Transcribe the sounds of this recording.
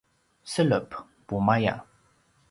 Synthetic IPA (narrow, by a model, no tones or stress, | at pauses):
sələp | pumaja̰